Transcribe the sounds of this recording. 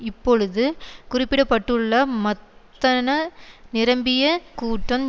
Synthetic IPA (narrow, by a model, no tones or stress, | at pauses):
ɪpːɔɻɯðɯkʊrɪpːɪɽɐpːɐʈːɯɭːɐmɐt̪ːɐnɐnɪɾɐmbɪjɐkuːʈːɐm